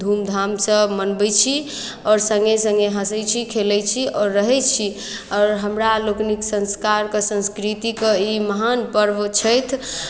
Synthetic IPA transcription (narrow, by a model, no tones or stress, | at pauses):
d̪ʱumd̪ʱamsəmənbɛt͡ʃʰi | ɔːɾsə̃ŋɡesə̃ŋɡeɦəsɛt͡ʃʰikʰelɛt͡ʃʰiɔɾːəɦɛt͡ʃʰi | ɔːɾɦəmɾalokniksə̃nskaɾkesə̃nskɾit̪ikeiməɦanpəɾbt͡ʃʰəjt̪ʰ